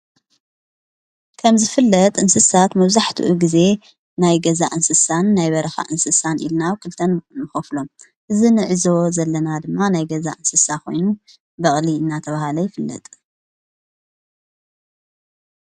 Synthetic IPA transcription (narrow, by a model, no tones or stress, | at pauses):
kʰɐmzɨfɨlːɐt̪ʼʔɨnsɨsat̪mɐβzaħt̪ʰɨ̰ʔuɡize̞ | najɡɐzaʔɨnsɨsanːajβɐɾɐxa̰ʔɨnsɨsanḭlnaβkʰɨlt̪ʰɐnnɨxɐflo | ʔɨzinɨʕizozɐlːɐnad̪ɨmːanajɡɐza̰ʔɨnsɨsako̞jnu | bɐχʼliɨnːat̪ʰɐβahalɐjɪfɨlːɐ̰t̪ʼ